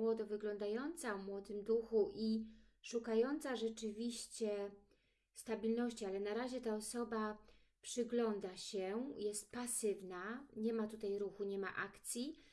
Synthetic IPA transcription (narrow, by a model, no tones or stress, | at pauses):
wɔd̪ɔvɘɡlɔnd̪ajɔnt̪savmwɔd̪ɘmd̪uxuʔi | ʂukajɔnt̪saʐɛt͡ʂɘvʲiɕt͡ɕɛ | st̪abʲilnɔɕt͡ɕialɛnaɾaʑɛt̪aɔsɔba | pʂɘɡlɔnd̪aɕɛjɛst̪̚pasɘvnaɲɛmat̪ut̪ajɾuxuɲɛma̰ʔakt̪sʲji